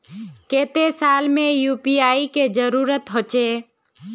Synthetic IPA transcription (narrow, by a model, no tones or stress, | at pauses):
keːt̪esaːlmẽjuːpiaːiked͡ʒəɾuːɾət̪ɦot͡ʃeː